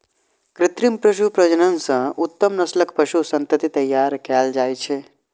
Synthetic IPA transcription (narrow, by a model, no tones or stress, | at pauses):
kɾɪt̪ɾimpɾɐʃupɾɐd͡ʒənənsɐ̃ut̪ːəmnɐsləkpəʃusɐ̃nt̪ət̪it̪ɐjːaːɾkald͡ʒaːjt͡ʃʰe